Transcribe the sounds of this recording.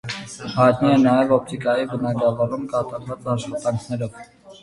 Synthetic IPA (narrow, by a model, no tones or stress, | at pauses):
hɑjt̪niɛnɑjɛvɔp̚t̪ʰikɑjibənɑɡɑvɑrumkɑt̪ɑɾvɑt͡sɑʃχɑt̪ɑŋkʰnɛɾɔv